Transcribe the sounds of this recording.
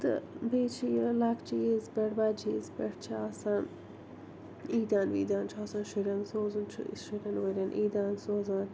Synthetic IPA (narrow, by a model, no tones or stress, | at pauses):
t̪ɨ̰beːt͡ʃʰilakt͡ʃizbeʈbaːd͡ʒiːzpeʈt͡ʃʰaːsan | iːd̪ʲaːnʋḭːd̪ʲaːnt͡ʃʰaːsanʃiɾʲɐnsoːzunt͡ʃʰʃiɾʲɐnʋɐɾʲɐnʔiːd̪ʲaːnsoːzaːn